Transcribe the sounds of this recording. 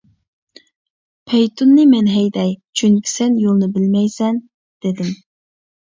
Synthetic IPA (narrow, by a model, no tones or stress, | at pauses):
pʰejt̪ʰunːɨmɛnɦɛjd̪ɛjt͡ʃʰyŋkʲʰi̥sɛnjolˠnɨbɪlmɛjsɛn | d̪̥ed̪ɪm